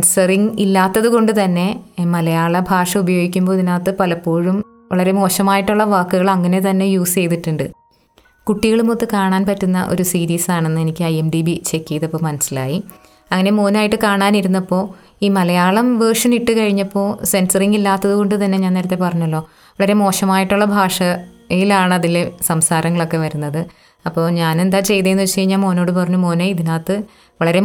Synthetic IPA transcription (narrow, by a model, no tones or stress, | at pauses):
nsɐriŋilːaːt̪ːɐðuko̞ɳɖɨt̪ɐnːe̞mɐlɐjaːɭɐbʱaːʂɐubɐjo̞ːɡikʲːumboːt̪inaːt̪ːɨpɐlɐpːo̞ːɻum | ʋɐɭɐɾe̞mo̞ːɕɐmaːjiʈːuɭːɐʋaːkːuɣɐɭɐŋːɐne̞t̪ɐnːe̞juːst͡ɕe̞jt̪iʈːuɳɖɨ | kuʈːiɣɐɭumot̪ːɨkaːɳaːnpɐtːunːɐ̰ʔo̞ɾusiːɾiːsaːɳe̞nːɨe̞nikʲːɨɐjemɖibit͡ɕe̞kːijðɐpːoːmɐnɐsːila̰ːji | ɐŋːɐne̞mo̞ːnaːjiʈːɨkaːɳaːniɾunːɐpːo̞ː | iːmɐlɐjaːɭɐmʋɐrʂɐniʈːɨkɐɻiɲːɐpːo̞ːse̞nsɐriŋilːaːt̪ːɐðuko̞ɳɖɨt̪ɐnːe̞ɲaːneɾɐt̪ːe̞pɐrɐɲːɐlːo̞ː | ʋɐɭɐɾe̞mo̞ːʂɐmaːjiʈːuɭːɐbʱaːʂɐ | jilaːɳɨɐðilesɐmsaːɾɐŋːɐɭo̞kːe̞ʋɐɾunːɐðɨ | ɐpːo̞ːɲaːne̞nd̪aːt͡ɕe̞jt̪ɐjenːt͡ɕːejiɲːaːmo̞ːno̞ːɽɨpɐrɐɲːumoːneiðinaːt̪ːɨ | ʋɐɭɐɾe̞